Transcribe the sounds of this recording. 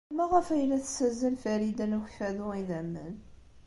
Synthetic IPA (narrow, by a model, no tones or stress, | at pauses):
mæʁəfæjlæθə̥sːæzəlfæɾid̪ænuçfæðʊiðæmːə̰n